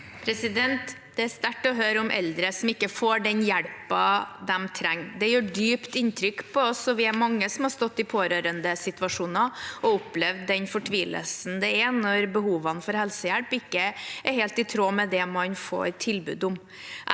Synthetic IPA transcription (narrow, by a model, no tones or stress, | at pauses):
pʰɾɛsɪd̪ɛnt̪ | d̪̥ɛæɾst̪æʈːɔɦøːɾəɔmʔɛ̰ld̪ɾəsɔmɪkːəfoːɖɛnjæɭpɑd̪ɛmt̪ʰɾæŋːd̪ɛjøːɖyːpt̪ɪnt̪ʰɾʏkːpʰɔɔsɔʋɪæmɑŋːəsɔmhɑɾst̪ɔt̪ːɪpʰoːɾøːɾənd̪əsɪt̪ʋɑʂuːnɑɔʊplɛʋd̪ːɛnfɔʈʰʋiːlə̰lsn̩d̪ɛænɔɾbəhuːʋənfɔɾhɛlsəjæɽpɪkːəæɾheːlt̪ɪt̪ʰɾoːmɛd̪ɛmɑnfo̰ːɾt̪ʰɪlbʉ̰ːd̪ʊm